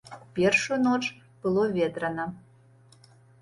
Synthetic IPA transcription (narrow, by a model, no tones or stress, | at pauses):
pʲerʃonot͡ʃ | b̥ɨlˠovʲed̪ɾənə